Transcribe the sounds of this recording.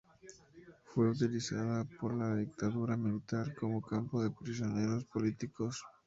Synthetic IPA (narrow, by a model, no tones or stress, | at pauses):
fwe̞ut̪ilisaðapo̞ɾlaðik̚t̪aðuɾamilit̪aɾko̞mo̞kampoðe̞pɾis̬jo̞ne̞ɾo̞spo̞lit̪ikos